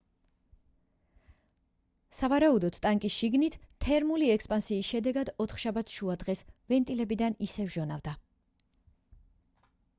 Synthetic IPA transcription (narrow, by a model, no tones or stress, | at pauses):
savaɾaud̪ɔt̪t̪ʼaŋkʼisʃiɡnit̪ʰt̪ʰɛɾmuliɛkspʼansiːsʃɛd̪ɛɡad̪ɔt̪ʰχʃabat̪sʰʃuad̪ʁɛsvɛnt̪ʼilɛbid̪anisɛvʒɔnavd̪a